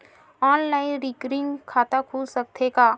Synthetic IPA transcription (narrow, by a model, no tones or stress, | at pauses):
ɔːnlaːɪɾiːkɾĩnkʰaːt̪akʰuːlsɐk̚t̪ʰekaː